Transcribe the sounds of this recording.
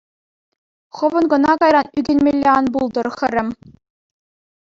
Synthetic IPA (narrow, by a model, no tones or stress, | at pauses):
χɤ̆ʋɤ̆nɡɤ̆nɑkɑjɾɑnyɡʲĕnʲmʲelʲːeɑnbulˠd̪ɤ̆rxʲɘ̆rʲɘ̆mʲ